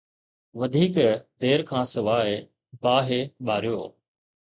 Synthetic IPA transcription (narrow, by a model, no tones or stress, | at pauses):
ʋɐd̪ʱiːkd̪eːɾkʰãːsɪʋaːe | baːɦeɓaːɾijo̰ː